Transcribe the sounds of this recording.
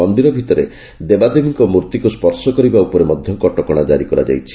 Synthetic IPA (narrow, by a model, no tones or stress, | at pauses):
ɔnd̪iɾɔbʱit̪ɔɾe | d̪ebad̪emiŋkɔmuɾt̪ikuspɔɾsɔkɔɾibaupɔɾemɔd̪ʱjɔmkɔʈɔkɔɽ̃ad͡ʒaɾikɔɾa̰d͡ʒa̰jt͡ʃʰi̥